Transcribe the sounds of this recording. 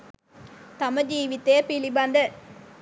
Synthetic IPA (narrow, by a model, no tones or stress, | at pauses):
t̪ɐmɐd͡ʒiːʋit̪ːeːpiliband̪ɐɾ